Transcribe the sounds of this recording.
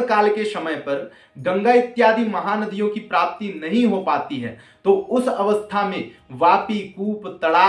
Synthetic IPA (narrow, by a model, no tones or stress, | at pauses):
kaːlkesɐməjpɐɾ | ɡɐ̃ŋɡaːɪt̪jaːd̪ʱimɐɦaːnɐd̪ʱijõkipɾaːp̚t̪inɐɦĩɦopaːt̪iɦɛ̰ː | t̪oːʊsɐʋəst̪ʰamẽʋaːpikuːpt̪ɐɽaː